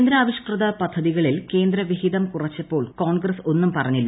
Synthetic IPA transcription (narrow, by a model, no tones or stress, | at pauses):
nd̪ɾɐːʋiɕkrɨðɐpɐd̪ʱːɐðiɣɐɭilke̞ːnd̪ɾɐʋiɦiðɐmkurɐt͡ɕːɐpːo̞ːɭkoːɳɡrɐso̞nːumpɐrɐɲːilːu